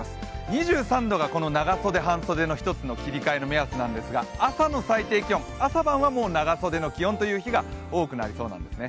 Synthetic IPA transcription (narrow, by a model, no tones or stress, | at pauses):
sɲ̟iʑɨːsãnd̪o̞ɡako̞no̞naɡaso̞d̪e̞ɦãɰ̃so̞d̪e̞no̞çi̥t̪ot͡sɨno̞kʲiɾʲikaeno̞measɨnãnd̪esɨɡaasano̞sait̪e̞ːkʲiõ̞ŋasabãɰ̃βamo̞ːnaɡaso̞d̪e̞no̞kʲiõ̞nt̪o̞jɯ̟ːçiɡao̞ːkɯ̟na̰ɾʲiso̞ːnã̰nd̪e̞sɨne